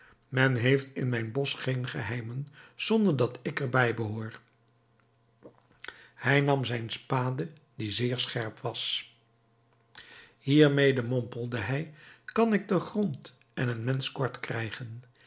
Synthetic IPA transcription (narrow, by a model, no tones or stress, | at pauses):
mɛnɦejftɪnmɛjnbɔsχejnχəɦɛjmənz̥ɔndəɹdɑtɪkɛɹbɛjbəɦʊːɹ | hɛjnɑmzɛjnspaːdə | dizɪːɹsχɛɹpʋɑs | hiːɹmejdəmɔmpəlˠdəɦɛjkɑnɪɡ̚dəχrɔnt | ɛnənmɛnskɔɹtkrɛjχən